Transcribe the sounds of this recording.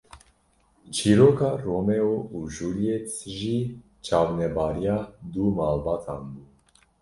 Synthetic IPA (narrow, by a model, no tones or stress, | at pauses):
t͡ʃʰiɾokaɾomɛouʒulijɛt̪ʒi | t͡ʃʰavnɛbaɾjad̪umalbat̪ʰanbu